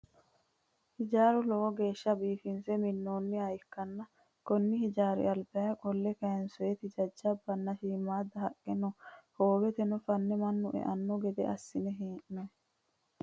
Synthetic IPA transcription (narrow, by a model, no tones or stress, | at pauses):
hɪd͡ʒaːɾuloːɡeːʃːɐbiːfinsɛminːoːnːiɐjɪkːɐnːɐ | kɔnːɪhɪd͡ʒaːɾḭɐlbɛɐkʼɔlːɛkɐjɛnsɔjɛt̪ɪd͡ʒɐd͡ʒːɐbːɐnːɐʃiːmaːd̪ɐɦɐkʼːɛnɔhoːbɛt̪ɛnɔfɐnːɛmɐnːʊʔɛ̰ʔɐnːɔɡɛd̪ɛ̰ʔɐ̰sːɪnɛɦeːʔno